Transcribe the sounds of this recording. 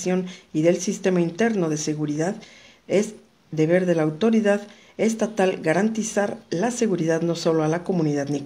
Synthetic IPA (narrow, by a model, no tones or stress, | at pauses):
sjo̞niðe̞lsist̪e̞maint̪e̞ɾno̞ðe̞se̞ɣuɾiðað | e̞z | d̪e̞βe̞ɾðe̞laːwt̪o̞ɾiðað | e̞st̪at̪alɡaɾant̪isaɾlase̞ɣuɾiðaðno̞so̞lo̞alako̞mũniðaðni